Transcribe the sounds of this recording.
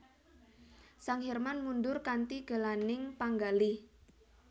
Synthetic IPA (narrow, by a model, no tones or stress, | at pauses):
saŋɦɛrmanmundʊrkant̪iɡ̥ə̤lanɪŋpaŋɡali